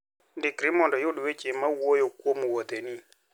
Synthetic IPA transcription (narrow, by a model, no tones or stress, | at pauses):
ndɪkɾimɔndɔjʊɗwet͡ʃemːawojokwomuwod̪eni